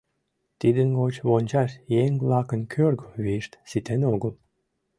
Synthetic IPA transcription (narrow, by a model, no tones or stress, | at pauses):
t̪id̪ənɡot͡ɕβonʲt͡ɕɑʃjeŋlɑkənkʰørɡəβiʃt̪sit̪enoɣəl